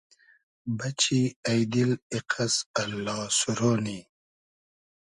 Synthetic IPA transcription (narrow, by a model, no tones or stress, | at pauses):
bɐt͡ɕiajd̪iliqʰasɐlːɑːsuɾoːni